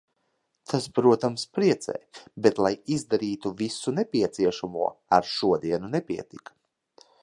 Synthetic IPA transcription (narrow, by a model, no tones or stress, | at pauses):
t̪ʰaspɾuɔt̪amspɾiɛt̪sɛ̰ːbet̪lˠajizd̪aɾiːt̪uvisunɛpiɛt̪siɛʃamuɔaɾʃuɔd̪iɛnunɛpiɛt̪ik